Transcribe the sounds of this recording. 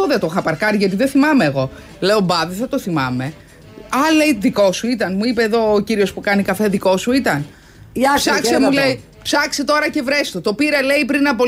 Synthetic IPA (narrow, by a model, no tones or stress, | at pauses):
oðet̪oxɐpɐɾkɐɾiʝɐt̪iðeθimɐmeːɣo̞ | le̞o̞bɐðeθɐt̪o̞θimɐme̞ | ɐle̞jðiko̞suit̪ɐnmuipe̞ːðo̞ːciɾio̞spukɐnikɐfe̞ðiko̞suit̪ɐn | psɐksemulej | psɐkse̞t̪o̞ɾɐce̞vɾe̞st̪ot̪o̞piɾɐle̞ipɾinɐpo